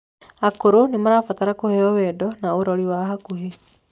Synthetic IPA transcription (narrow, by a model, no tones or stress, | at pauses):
akoɾonemaɾafataɾakohɛɔwɛːdɔnaoɾɔɾiwaɦakuɦe